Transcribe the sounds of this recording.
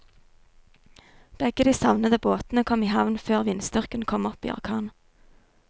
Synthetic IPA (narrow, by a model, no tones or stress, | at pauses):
b̥ɛɡəd̪iːsɑʋnəd̪əboːt̪n̩əkʰɔmiːhɑʋnføːʁʋɪnst̪ʏʁkənkʰɔmɔpḭːʔɑ̰ʁkʰɑːn